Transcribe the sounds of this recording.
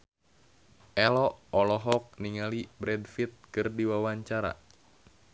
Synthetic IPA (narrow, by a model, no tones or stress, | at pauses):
ʔɛlɔɔlɔɦɔk̚niŋalibɾɛdfit̪̚kɨrdiwawaɲt͡ʃaɾa̰